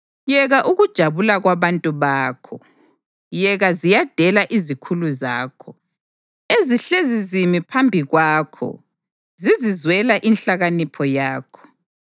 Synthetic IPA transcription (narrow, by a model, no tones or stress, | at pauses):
jɛɣaʔuɣud̥ʒ̥ʱaβulaɣwaβantʼuβaːkʰɔ | jɛɣazijad̥ʱɛlaʔizikʰuluzaːkʰɔ | eziɬezizimipʰambʱiɣwaːkʰɔ̰ | zizizwɛlaʔinɬaɣanipʰɔjaːkʰɔ̥